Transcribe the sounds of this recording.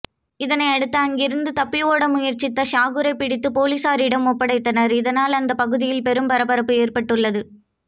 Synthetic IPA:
ɪðɐnɐɪɐɽɯt̪ːɐɐŋɡɪɾɯnd̪ɯt̪ɐpːɪʋoːɽɐmʊjɐɾt͡ʃːɪt̪ːɐʂaːɣɯɾɐɪpːɪɽɪt̪ːɯpoːlisaːɾɪɽɐmɔpːɐɽɐɪt̪ːɐnɐɾɪðɐnaːlɐnd̪ɐpɐɣɯðɪjɪlpɛɾɯmpɐɾɐbɐɾɐpːɯeːrpɐʈːɯɭːɐðɯ

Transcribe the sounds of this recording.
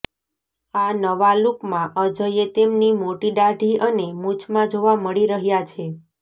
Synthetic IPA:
anəʋalukmãʔəd͡ʒəjet̪emnimoʈiɖaɖʱiənemut͡ʃʰmãd͡ʒoʋaməɭiɾəɦjat͡ʃʰe

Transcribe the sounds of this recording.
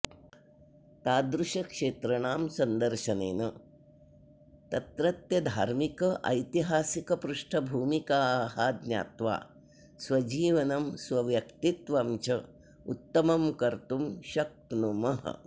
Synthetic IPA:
t̪aːd̪ɾuʃɐkʂeːt̪ɾɐɳaːmsɐnd̪ɐɾʃɐnḛːnɐ | t̪ɐt̪ɾɐt̪jɐd̪ʱaːɾmikɐʔɐjt̪iɦaːsikɐpɾuʂʈʰɐbʱuːmikaːhaːd̪nja̰ːt̪ʋa̰ː | sʋɐd͡ʒiːʋɐnɐmsʋɐʋjɐkt̪it̪ʋɐmt͡ʃɐ | ut̪ːɐmɐmkɐɾt̪umʃɐk̚t̪numɐɦɐ̰

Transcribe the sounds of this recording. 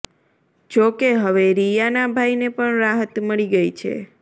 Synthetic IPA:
d͡ʒokeɦəʋeɾijanabʱajnepəɳɾaɦət̪məɭiɡəjt͡ʃʰḛ

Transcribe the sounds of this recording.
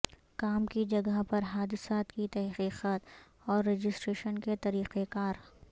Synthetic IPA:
kaːmkid͡ʒɐɡəɦpɐɾɦaːd̪ɪsaːt̪kit̪ɛɦqiːqaːt̪ | ɔːɾːeːd͡ʒɪsʈɾeːʃənket̪ɐɾiːqekaːɾ

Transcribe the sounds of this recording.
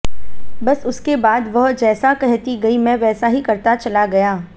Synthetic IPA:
bɐsʊskebaːd̪ʋɐɦd͡ʒɛːsakɛɦt̪iɡɐimɛ̃ʋɛːsaɦikɐɾt̪at͡ʃɐlaɡɐjaː

